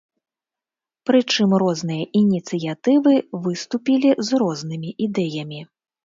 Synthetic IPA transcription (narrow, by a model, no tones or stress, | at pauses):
pɾɨt͡ʂɨmɾɔznɨjɐʔinʲit̪sɨjat̪ɨvɨvɨst̪upʲilʲizɾɔznɨmʲiʔid̪ɛjɐmʲi